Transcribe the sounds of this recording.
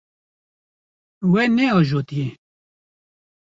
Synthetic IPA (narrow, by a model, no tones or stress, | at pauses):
wɛnɛɔːʒoːt̪ije